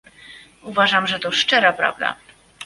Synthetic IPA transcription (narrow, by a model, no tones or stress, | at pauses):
uvaʐamʐɛt̪ɔʂt͡ʂɛɾapɾa̰vd̪a̰